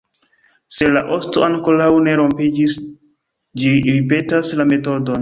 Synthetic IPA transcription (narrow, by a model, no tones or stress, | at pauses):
se̞laʔo̞sto̰aŋko̞lawne̞ɾo̞mpid͡ʒis | d͡ʒiɾipe̞taslame̞to̞don